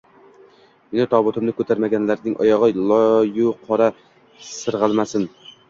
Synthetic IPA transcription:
ɪnɪt̪ʰɑbʊt̪ʰɨmnɪkʲʰøt̪ʰæɾmɛɡʲɛnlæɾnɪŋʔɑ̰jɑʁɑlˠɑjuqʰɑɾɑ | sɨɾʁəlˠmæsɪn

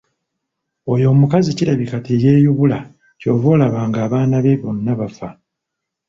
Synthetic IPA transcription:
o̞jo̞ːmukaziciɾaβikateje̞ːjuβula | co̞ːvo̞ːlaβaːŋɡaːβaːnaβe̞βonːaβafa

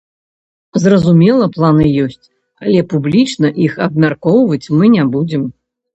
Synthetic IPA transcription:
zrɐzumʲɛlˠɐplˠan̪ɨjɔsʲt͡sʲ | ɐlʲɛpublʲit͡ʂnɐʔixɐb̚mʲarkɔwvɐt͡sʲmɨnʲabud͡zʲɛm

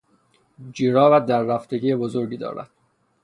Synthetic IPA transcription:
d͡ʒiːɾɒːvæd̪æɾːæft̪ʰeɟiːebozoɾɟiːd̪ɒ̰ːɾæ̰d̪̥

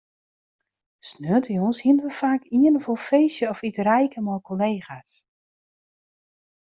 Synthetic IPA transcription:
snøːtəjonshiənəʋəfaːkiənəvolˠfeːsjəɔfitrɛjkəmɔjkʰoleːxas

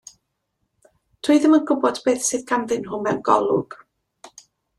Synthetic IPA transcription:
tʰuɨðəmənɡʊbɔdbeːθsɨðɡʰamðɨnɦʊmɛwnɡɔ̰lˠʊ̰ɡ̥

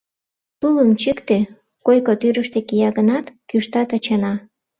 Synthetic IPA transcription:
t̪uləmt͡ɕykt̪e | kojkot̪yɾəʃt̪ekijɑɣənɑt̪kyʃt̪ɑt̪ɑt͡ɕɑnɑ

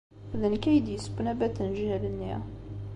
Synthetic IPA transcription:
ðənkæjd̪ijəsbnæbæt̪ænʒhælənːiæ̰

